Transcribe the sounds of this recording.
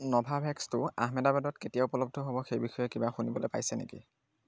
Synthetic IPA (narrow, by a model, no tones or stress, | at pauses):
nɔbʱabʱɛkstʊa̰ɦmɛdabadɔtketijaupɔlɔb̚dʱɔɦobɔxejbixɔjɛkibaxunibɔlojpa̰jsɛnḛkḭ